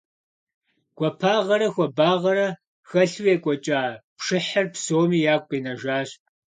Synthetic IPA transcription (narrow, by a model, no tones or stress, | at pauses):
ɡ̥ʷʼɔpʰaːʁɐɾɐxʷɔbaːʁɐɾɐ | xɐɬwjeːkʷʼɔt͡ʃʼaːpʂɪħɐrpsoːmiːjaːkʷʼqʼiːnɐʒaːɕʼ